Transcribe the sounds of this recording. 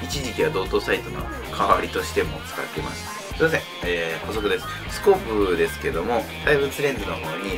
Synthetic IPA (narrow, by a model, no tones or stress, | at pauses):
it͡ɕiʑikʲiβad̪o̞ːt̪o̞sait̪ono̰ | kʰaβaɾʲit̪o̞ɕi̥t̪e̞mo̞̰t͡sɨ̥ka̰ke̞ma̰sɨ̥ | imazẽ̞ | eːho̞so̞kɯ̟d̪e̞sɨ̥ | sɨ̥ko̞pɯd̪e̞sɨ̥ke̞d̪o̞mo̞t̪aibɯt͡sɨɾẽ̞ndɨno̞ho̞ːɲ̟i